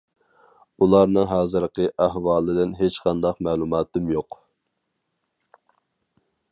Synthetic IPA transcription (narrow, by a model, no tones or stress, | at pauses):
ulˠɑɾnɨŋɦɑːzɨɾqʰəʔæɦwɑːlˠɨd̪ɪnɦet͡ʃqʰɑnd̪ɑqmɛːlˠumɑːt̪ɨmjoq